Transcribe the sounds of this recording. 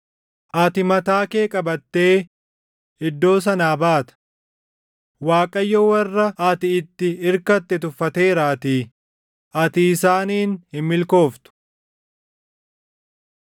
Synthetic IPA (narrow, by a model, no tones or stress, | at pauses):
ʔɐt̪ɪmɐt̪aːkeːkʼɐbɐt̪ːe̞ː | ɪd̪ːo̞ːs̬ɐnaːbaːt̪ɐ̥ | waːkʼɐjːɔwɐrːɐʔɐt̪ɪɪt̪ːɪɪɾkɐt̪ːɛt̪ʊfːɐt̪e̞ːɾaːt̪iː | ʔɐt̪iːɪsaːniːnhɪmːɪlko̞ːft̪ʊ̥